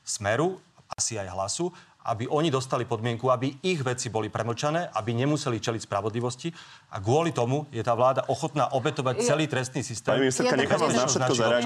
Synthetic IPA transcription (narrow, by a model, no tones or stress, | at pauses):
smɛɾuasiajɦlasuʔa̰biʔɔɲid̪ɔst̪alipɔd̪mɪɛŋkuabiiɣʋɛt͡sibɔlipɾɛmɔt͡ʃanɛːʔabiɲɛmusɛlit͡ʃɛlicspɾaʋɔd̪liʋɔsci | ʔa̰ɡʊɔlit̪ɔmujɛt̪aːʋlaːd̪aʔɔxɔt̪naːʔɔbɛt̪ɔʋac̚t͡sɛliːt̪ɾɛst̪niːsist̪ɛːmmiiskaɲɛxbɛsaɛazʃɛtnaaɾɛ